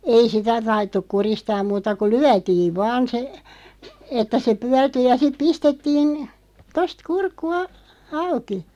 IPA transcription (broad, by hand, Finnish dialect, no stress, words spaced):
ei sitæ tɑitːuk kuristɑːm̆ muːtɑ ku lyætiːʋ ʋɑːn se etːæ se pyærty jɑ sit̆ pistetːiːn tost kurkːu ɑ ɑuki